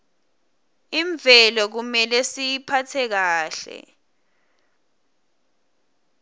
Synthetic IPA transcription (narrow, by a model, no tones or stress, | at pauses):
iɱbvʱɛlɔk̬umɛlɛsijipʰatʰɛk̬aːɬɛ̰